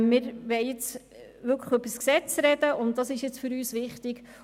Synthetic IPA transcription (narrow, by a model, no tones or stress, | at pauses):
mɪɾʋɛɪɪt͡s | ʋʏɾkʰəχøbəsksɛt͡sɾɛd̥əʊnttdɑsɪʃjɪt͡sfʏɾyːsʋɪχtɪɡ